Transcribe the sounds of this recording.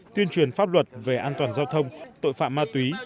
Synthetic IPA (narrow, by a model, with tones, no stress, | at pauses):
t̪wi˧ənt͡ɕwi˨˩ənfaː˦˥p̚lwə˨˩t̚ve˨˩ʔaː˧nt̪waː˨˩nzaː˧wt̪ʰə˧wŋ͡mt̪o̰˧˨jfa̰ː˧˨mːaː˧t̪wi˨˦